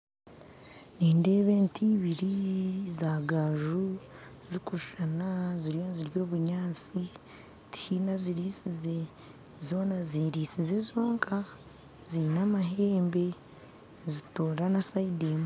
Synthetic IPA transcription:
niːnde̞ːβe̞ːntʰiːβiɾizaːɡaʒuzikuʃanaziɾjo̞nziɾjo̞ːβuɲaːt͡si | tʰiːnaziɾisize̞ | zo̞ːnaziːɾiːsize̞zo̞ːŋkʰa | z̥inamaɦeːmbe̞ | zitoːɾanasaideːm

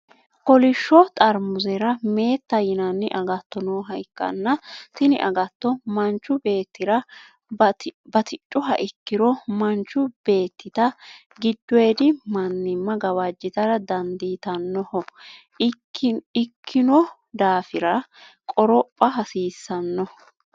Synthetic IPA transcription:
kɔlɪʃːɔt̪ʼɐɾmʊzɛɾɐme̞ːt̪ːɐjɪnɐnːɪ̰ʔɐɡɐt̪ːɔnoːɦɐjkːɐ̰nːɐt̪ɪnɪ̰ʔɐ̰ɡɐt̪ːɔmɐnt͡ʃːʊbe̞ːt̪ːɪɾɐ | bɐt̪ɪt͡ʃʼːʊɦɐʔɪkːɪɾɔmɐnt͡ʃːʊb̥e̞ːt̪ːɪt̪ɐ | ɡɪd̪ːʊeːd̪ɪmɐnːɪmːɐɡɐwad͡ʒːɪt̪ɐɾɐd̪ɐnd̪iːt̪ɐnːɔhɔ | ɪkʰːɪnɔ | d̪aːfɪɾɐkʼɔɾɔpʼːɐɦɐsiːsːɐnːɔ

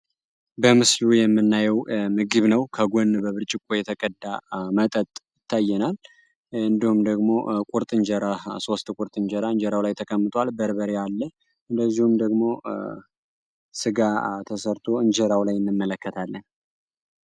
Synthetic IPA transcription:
bəmɨslujɛmːɨnːajɛwmɨɡɨβnəwkʰəɡonbəβɨɾt͡ʃʼɪkʼːojɛt̪ʰəkʼəd̪ːamət̪ʼət̪ʼjɪt̪ʰːajːɛnal | ɨnd̪ihumd̪əɡmo̞kʷʼuɾt̪ʼɨɲd͡ʒɛɾaso̞st̪kʼuɾt̪ʼɨɲd͡ʒɛɾaɨɲd͡ʒɛɾawlajt̪ʰəkʰəmːɨt̪ʰʼwalbəɾbəɾealːə | ɨnd̪əzːihumd̪əɡmo̞ | sɨɡat̪ʰəsəɾt̪ʰo̞ɨɲd͡ʒɛɾawlajɨnːɨmːələkːət̪ʰalːən

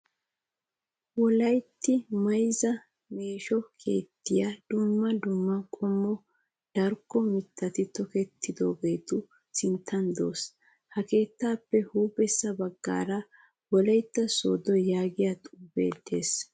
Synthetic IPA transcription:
wɔlɐjt̪ːɪmɐjzɐ | me̞ːʃɔkʰe̞̰ːt̪ːɪjad̪̥ʊmːɐd̪ʊmːɐkʼɔmːɔ | d̪̥ɐɾkːɔmɪt̪ːɐt̪ɪt̪ɔkɛt̪ʰːɪd̪o̞̰ːɡe̞jt̪ʊ | sɪnt̪ʰːɐnd̪o̰ːs | hɐke̞ːt̪ːaːpːɛhuːbɛsːɐbɐɡːa̰ːɾɐ | wɔlɐjt̪ːɐso̰ːd̪ɔjaːɡɪjat̪ʼuːbḛːt̪ːḛːs

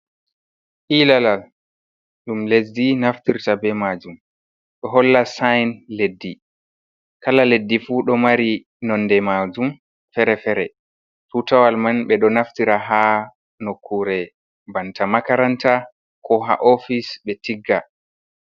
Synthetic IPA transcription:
ʔilalal | ɗumlesdinaftiɾtabɛmaːd͡ʒum | ɗɔɦɔlːasajnledːi | kalaledːifuɗɔmaɾi | nɔnːdɛmaːd͡ʒum | fɛɾɛfɛɾɛ | tutawalmanɓɛɗɔnaftiɾaɦa | nokʰːuɾɛ | bantamakaɾanta | kʰɔɦa̰ʔofisɓɛtiɡːa

